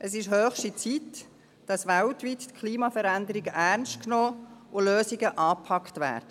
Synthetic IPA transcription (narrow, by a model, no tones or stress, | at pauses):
ʔəsɪʃɦøːxʃtit͡sit | d̥ɑsʋæltʋittkʰliːmɑfəɾændəɾɪɡəʔærnstknoːʊløːsɪɡəʔɑːpʰɑktʋæ̰ːɾd̥ə